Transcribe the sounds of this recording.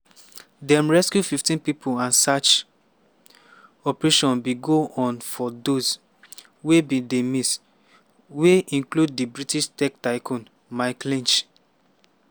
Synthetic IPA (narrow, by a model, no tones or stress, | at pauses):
dɛ̃mɹɛskjufiftĩnpipʰoãnsat͡ʃ | ɔpɹeʃɔ̃nbiɡoʔɔ̃nfɔdos | webidemis | weʔĩnklud̚dibɹitiʃtɛk̚taɪkʰɔ̃n | maɪklĩnt͡ʃ